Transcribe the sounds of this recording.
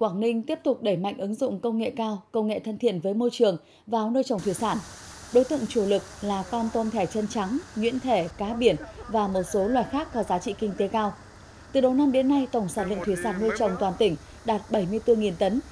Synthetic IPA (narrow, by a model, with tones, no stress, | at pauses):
kwaː˧˩ŋnï˧ŋ̟t̪i˦˥əp̚t̪ʊ˨˩k͡p̚ɗə˧˩jma̰˧˨jŋ̟ʔɨ˨˦ŋzʊ̰˧˨ŋ͡mkə˧wŋ͡mŋḛ˧˨kaː˧wkə˧wŋ͡mŋḛ˧˨t̪ʰə˧nt̪ʰḭ˧˨ənvəː˨˦jmo˧jt͡ɕɨ˨˩əŋ | vaː˨˩wnəː˧jt͡ɕə˨˩ŋ͡mt̪wi˧˩saː˧˩n | ɗo˨˦jt̪ɨ̰˧˨ŋt͡ɕu˧˩lɨ˨˩k̚laː˨˩kɔ˧nt̪o˧˩nt̪ʰɛ˧˩t͡ɕə˧nt͡ɕa˨˦ŋŋwḭ˧˥ənt̪ʰe˧˩kaː˨˦ɓi˧˩ənvaː˨˩mo˨˩t̚so˨˦lwaː˧˨˩jxaː˦˥kːɔ˨˦zaː˨˦t͡ɕḭ˧˨kï˧ŋ̟t̪e˨˦kaː˧w | t̪ɨ˨˩ɗə˨˩wna˧mɗe˨˦nːa˧jt̪ə˧˩wŋ͡msaː˧˩nlə̰˧˨ŋt̪ʰwi˧˩saː˧˩nːəː˧jt͡ɕə˨˩wŋ͡mt̪waː˨˩nt̪ï˧˩ŋ̟ | ɗaː˨˩t̚ɓə˧˩jmɨ˧əjt̪ɨ˧ŋi˨˩nt̪ə˨˦n